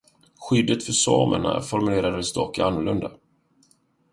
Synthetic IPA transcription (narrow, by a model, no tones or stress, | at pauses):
ɧʏd̪ːət̪fœʂɑ̰ːmə̰ɳa̰fɔɾmɵleːɾad̪ɛst̪ɔkɪanːʊɭlɵnd̪a